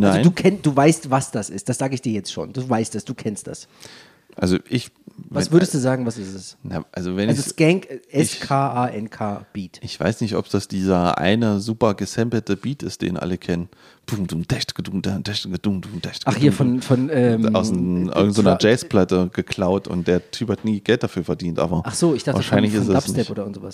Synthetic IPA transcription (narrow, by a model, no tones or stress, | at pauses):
nazoɪduːkʰɛnd̥uːvaɪstvasd̥asʔɪst̚d̥asz̥aːɡəɪçd̥iːɐjɛt͡stʃo̰ːnd̥uːvaɪstd̥asd̥uːkʰɛnst̚d̥as | ʔalzoʔɪç | vvaɛsvʏɐɾəstd̥uːzaːɡŋ̩vasɪstɛsnaʔalzovɛnazoɡɛŋkʔɛskʰaːʔaːʔɛnkʰaːb̥iːtʔɪçv̥a̰ɪsnɪçtʔɔ̰pd̥asd̥iːzɐʔa̰ɪnəzuːpɐɡəsɛmpl̩təbiːtɪst̚d̥ḛːnʔa̰ləkʰɛnən | b̥uŋd̥uŋd̥ɛʃtɡ̥əduŋdad̥ɛʃtɡəd̥uŋd̥uŋd̥ɛʃtɡḁχhiːɐfɔnfɔnɛːa̰ʊsʔɪ̰ɡŋ̩tzoːnɐd͡ʒɛːspl̥atəɡəkʰl̥aʊtʊ̰nt̚d̥eːɐtʰyːphatniːɡɛlt̚d̥afyːɐfɛɐdiːntʔa̰ːbɐʔaχz̥oːɪçd̥aχtvaːɐʃaɪnlɪçɪsntɛassnɪɛpʔoːɾɐɪɡŋ̩ntzovas